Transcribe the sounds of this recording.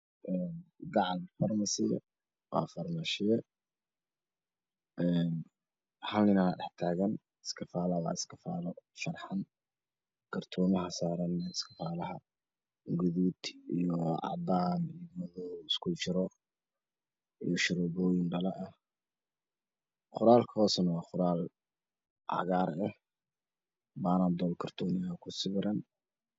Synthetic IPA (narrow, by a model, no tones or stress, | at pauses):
ʔɛːnɡɑʕlfɐrmɐsɪjɛ̰ | wɑ̰ːfɐrmɐʃɪjɛ | ʔɛːn | hɐlɪnaɖɛħt̪ʰaːɣɐn | ɪskʰɐfaːlɐwɑ̰ːɪskʰɐfaːlɔfɐrħɑn | ɡ̥ɐrt̪ʰɔːmɐɦɐsaːɾɐnɛɪskʰɐfaːlɐɦɐ | ɡʊðuːd̪ijɔʕɑ̰baːmijɔmɔðɔɪskʰʊt͡ʃɪɾɔ | ijɔʃɪɾɔbɔːjɪnɖɐlɐʔɐh | qʊɾaːlkʰɔːsɐnɐwɑːqʊɾaːl | ʕɑ̰ɣaːɾɛh | baːnaːnd̪ɔːlkʰɐrt̪ʰɔːmɪɐkʰʊsɪβɪɾɐn